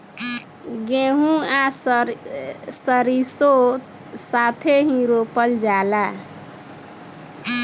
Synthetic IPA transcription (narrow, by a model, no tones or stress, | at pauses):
ɡeɦũa | səɾiso | sat̪ʰeɦĩɾopəld͡ʒala